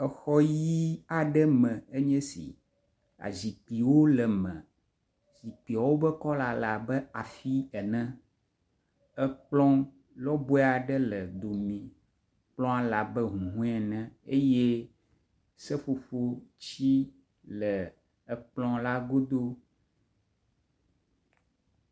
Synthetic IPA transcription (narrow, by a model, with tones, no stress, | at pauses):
ɛ˨xɔ˦ji˦a˨ɖɛ˦mɛ̃˨e˦ɲɛ̃˦sḭ˨ | a̰˨zi˨k͡pi˨wo˦lə˨mɛ̃˨ | zi˨k͡pi˨a˨wo˦bə˦kɔ˦la˨la˨bə˦a˨fi˦ɛ˨nɛ̃˦ | ɛ˦k͡plɔ̃˦ | lɔ˦bo˦ɛ˦a˨ɖə˦lə˨d̪o˨mĩ˨ | k͡plɔ̃˦a˦la˨bə˦ɦũ˨ɦũ˦ɛ˨nɛ̃˦e˦je˦ | sɛ˦fo˨fo˦t͡ɕi˦ | lə˨ | ɛ˨k͡plɔ̃˦la˦ɡo˦d̪o˦